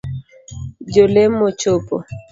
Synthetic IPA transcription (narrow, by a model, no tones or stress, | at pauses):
d͡ʒolemːot͡ʃopo̰